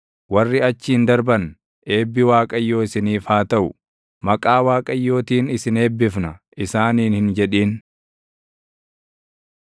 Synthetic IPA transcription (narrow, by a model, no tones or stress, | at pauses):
wɐrːɪɐt͡ʃːɪhɪnd̪ɐɾbɐn | ʔe̞ːbːɪwaːkʼɐjːo̞ːɪsɪniːfaːt̪ɐʔʊ | mɐkʼaːwaːkʼɐjːo̞ːt̪iːnɪsɪneːbːɪfnɐʔɪsaːniːnhɪnd͡ʒɛᶑiːn